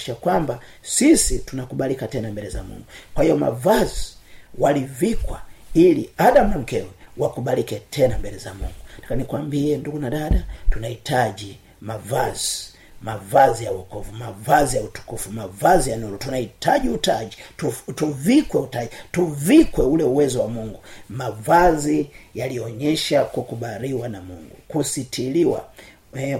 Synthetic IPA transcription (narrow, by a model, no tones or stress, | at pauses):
ʃakwamba | sisitunakuɓalikatɛnambɛlɛzamṵŋɡukwahijɔma̰vaziwalivikwa̰iliaɗamunam̩kɛwɛwakuɓalikɛtʰɛnambɛlɛza̰mṵŋɡutḁkanikwambiɛnduɡunaɗadatunahitaʄi | mavazi | mavazijawɔkufumavazijautu̥kufumavazijanulɔtunahitaʄiutaʄitutuvikwɛutaɟituvikwɛulɛuwɛzɔwamuŋɡumavazijaliɔɔɲɛʃakukuɓaɾiwanamṵŋɡṵkusitʰiliwa̰ | ɛ